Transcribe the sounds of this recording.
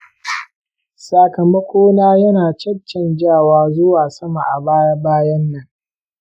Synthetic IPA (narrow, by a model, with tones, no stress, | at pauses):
saː˨kɐ˨mɐ˦kʷoː˦naː˦jɐ˦naː˨t͡ʃɐ˦t͡ʃːɐ˨nd͡ʒaː˦˨waː˦zʊ˦waː˨sɐ˦ma˨ʔa˨baː˦jbaː˦jɐ˦nːɐ˨ŋ